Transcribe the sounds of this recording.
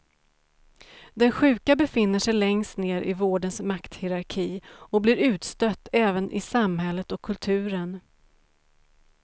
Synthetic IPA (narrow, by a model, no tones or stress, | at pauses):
d̪ɛnɧʉ̟ːkabɛfɪnːəʂɛjlɛŋst̪neːɾʔɪ̰voːɖənsmakt̪hɪɾaɾkʰiːɔkblɪɾʉ̟ːt̪st̪œt̪ːɛːvənʔɪ̰samhɛlːət̪ɔkʰːɵlt̪ʰʉ̟ːɾən